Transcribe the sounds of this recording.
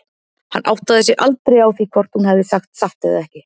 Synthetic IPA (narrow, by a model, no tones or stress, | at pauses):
hanːʔa̰wht̪aðɪsjɛɣʔalt̪ɾejawθvikʰvɔɾ̥t̪hunhɛvðɪsaxt̪saht̪ɪɣa̰ðɛhcɪ